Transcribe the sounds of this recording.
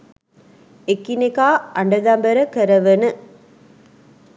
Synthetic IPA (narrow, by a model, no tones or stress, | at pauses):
ekːinekaːɐɳɖɐd̪ambɐɾɐkɐɾɐʋɐnɯ